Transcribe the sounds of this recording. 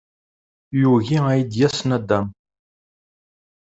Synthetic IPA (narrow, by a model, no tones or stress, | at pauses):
juɣiæjid̪jæsnæd̪æm